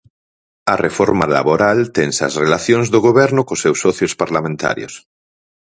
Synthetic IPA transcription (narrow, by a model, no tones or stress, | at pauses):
ɐrefoɾmala̰βoɾalt̪eŋsɐ̰srelaθjoŋzðoɣoβɛɾnʊkosewsɔθjospaɾlamẽnt̪a̰ɾjo̰s